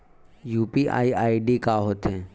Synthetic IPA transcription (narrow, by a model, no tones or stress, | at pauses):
juːpiʔa̰ːiaːiɖikaːɦoːt̪ẽː